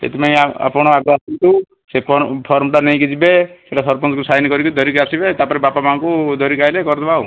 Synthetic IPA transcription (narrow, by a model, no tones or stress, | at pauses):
ḛt̪ipaĩaa̰pɔɽ̃ɔaɡɾɔasint̪u | sepɔpʰɔɾmʈanej̃kid͡ʒibeseʈasɔɾpɔnsɔkusajnikɔɾikɔd̪ʱɔɾikasibet̪apɔɾebapamaɔ̃kud̪ɔɾikajlekɔɾd̪ɔbau